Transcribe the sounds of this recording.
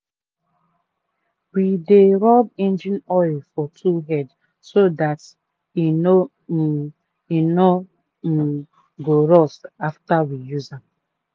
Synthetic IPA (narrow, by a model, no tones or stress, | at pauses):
wideɾɔb̚ẽnd͡ʒinɔɪlfɔtʰuɦɛd | sodat | ino | ino | ɡoɾɔstaftawijuza